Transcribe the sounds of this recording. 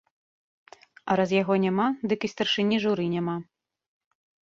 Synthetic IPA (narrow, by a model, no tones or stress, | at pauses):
ɐɾazjaɣɔnʲamad̪ɨkist̪ɐrʂɨnʲiʐuɾɨnʲama